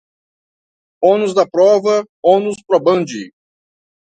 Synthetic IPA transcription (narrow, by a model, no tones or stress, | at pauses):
õnʊzd̪ɐpɾɔvɐ | õnʊspɾobɐ̃nd͡ʒɪ̰